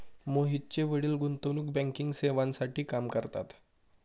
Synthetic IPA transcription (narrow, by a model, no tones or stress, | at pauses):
moɦit̚t͡ɕeʋəɽiːlɡunt̪onuːk̚bɛ̃ŋkiŋɡseʋãnsaʈʰiːkamkəɾt̪a̰t̪